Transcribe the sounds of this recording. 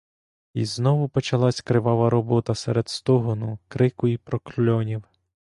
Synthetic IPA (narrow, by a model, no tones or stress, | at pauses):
ḭznɔʋʊpɔt͡ʃɐlˠɑsʲkɾɪʋɑʋɐɾɔbɔt̪ɐsɛɾed̪st̪ɔɦɔnʊkɾɪkʊipɾɔklʲɔnʲiw